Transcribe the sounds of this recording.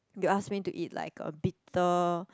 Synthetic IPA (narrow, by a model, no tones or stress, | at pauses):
juasmituʔitla̰ɪkʌ̰̃bitə